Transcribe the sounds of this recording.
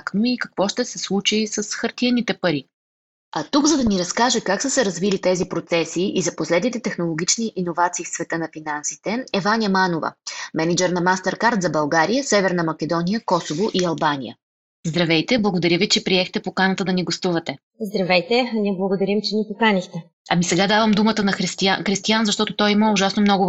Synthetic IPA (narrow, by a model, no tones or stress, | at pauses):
knoikɐkvɔʃt̪ɛsɛslˠut͡ʃisɐsxɐɾt̪iɛnit̪ɛpɐɾi | ɐt̪uɡzɐd̪ɐniɾɐskaʒɛkaksəsɛɾɐzvilit̪ɛzipɾot̪sɛsiʔizɐposlɛd̪nit̪ɛt̪ɛxnolˠoɡ̟ʲit͡ʃniʔinovat̪siːfsvɛt̪ɤnɐfinansi̥t̪ɛɛvanʲjəmanovə̰mɛnɛd͡ʒɛɾnɐmast̪ɛɾkaɾt̪zɐbɐlˠɡaɾijəsɛvɛɾnəmɐk̟ɛd̪ɔnijəkɔsovoʔiɐlˠbanḭjə̰ | zd̪ɾɐvɛjt̪ɛblˠɐɡod̪ɐɾʲəvit͡ʃɛpɾiɛxt̪ɛpokanət̪əd̪ɐniɡost̪uvɐt̪ɛ | zd̪ɾɐvɛjt̪ɛniɛblˠəɡod̪ɐɾimt͡ʃɛnipokanixt̪ɛ | ɐmisɛɡad̪avɐmd̪umət̪ənɐxɾist̪iaxɾist̪ijanzɐʃt̪ɔt̪ot̪ɔjiməʊʒasnomnɔɡʊ